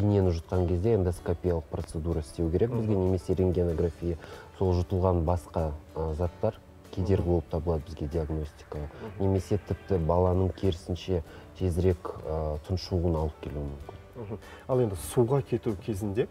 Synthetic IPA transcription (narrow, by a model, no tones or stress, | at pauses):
ine̞nɪʒət̪̚qɑŋkʲʰe̞zd̪e̞end̪oskopʲijalˠəq̚pro̞t̪sed̪uɾɑɪst̪e̞wkʲʰe̞ɾe̞k̚bɪzɡʲe̞ne̞me̞se̞ɾeŋɡʲenoɡrafʲijəso̞lˠʒʊt̪əlˠʁɑnbɑsqɑzɑt̪ːɑɾ | kʲʰe̞d̪e̞ɾɡʲɪboəpt̪ʰɑbəlˠɑd̪əbɪzɡʲe̞d̪ʲiaɡno̞sʲt̪ʲi̥kəne̞me̞se̞t̪ʰɪp̚t̪ɪbɑlˠɑnəɴkʲʰe̞ɾɪsɪnʃe̞t̪ʰe̞zɪɾe̞kʲt̪ʰʊnʃuənɑlˠəp̚kʲʰe̞luɪmʏmkʲɪnɦ̩ | ɑlˠe̞nd̪ɪsuʁɑkʲʰe̞t̪ukʲʰe̞zɪnd̪e